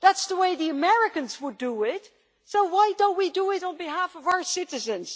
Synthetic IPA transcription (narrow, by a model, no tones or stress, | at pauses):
ðætsðəweɪðiəmɛɹɪkɨ̃nzwədəɪt | soʊwaɪdõʊ̃ntwidəɪɾn̩biɦæfʌvaʊə˞sɪɾɨzɨ̃nz̥